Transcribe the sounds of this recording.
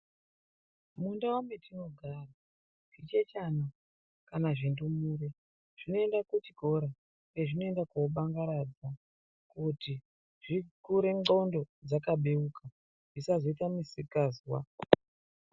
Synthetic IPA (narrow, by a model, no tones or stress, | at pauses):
mundawambetino̞ɡʱaːra | kit͡ʃet͡ʃano | kanaʐindumuːre | ʐ̥ino̞e̞ndakutiko̞ɾa | eʐino̞e̞ndakoɓaŋɡaɾad͡za | kuti | ʐ̥ikuɾeɡo̞ndo̞d͡zakaɓeuka | ʐisazoitamisikazwa